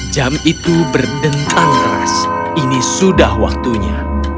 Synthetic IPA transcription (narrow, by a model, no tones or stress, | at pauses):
d͡ʒamit̪ubərdənt̪ʰaŋkəɾa̰s | inisudahwa̰k̚t̪uɲa